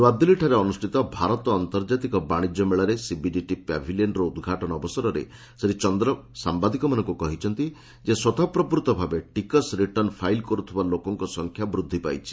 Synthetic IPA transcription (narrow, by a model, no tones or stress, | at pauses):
wad̪ʱːiliʈʰaɾeɔnusʈʰit̪ɔbʱaɾɔt̪ɔːnt̪ɔɾd͡ʒat̪ikɔbaɽ̃id͡ʒɔmeɭɔɾesibiɖiʈipa̰bʱilieɳɖɾɔud̪ɡʱaʈɔɽ̃ɔːbɔsɔɾɔɾḛ | seɾit͡ʃɔnd̪ɾɔsambad̪ikɔmanɔŋkukɔɦit͡ʃʰɔnt̪i | d͡ʒeswɔt̪ʰapɾɔpɾut̪ɔbʱabeʈikɔsɾiʈɔnpʰajlkɔɾut̪ʰibalokɔŋkɔsɔŋkʰjabɾud̪ʱːipa̰jt͡ʃʰi̥